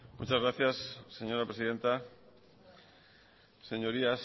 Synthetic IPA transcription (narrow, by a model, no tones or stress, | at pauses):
mṵt͡ʃazɣɾaθjasːe̞ɲo̞ɾapɾesiðe̞nt̪a | se̞ɲoɾias